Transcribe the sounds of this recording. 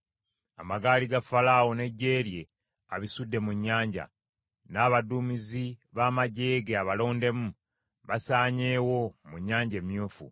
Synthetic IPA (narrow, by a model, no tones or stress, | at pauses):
amaɡaːliɡafalaːwo̞ne̞ɟːe̞ːɾje̞ | aβisudːe̞muɲːaːɲɟa̰ | naːβaduːmiziβaːmaɟe̞ːɡeaβalo̞ːnde̞mu | βasaːɲe̞ːwo̞muɲːaːɲɟe̞ːmjuːfṵ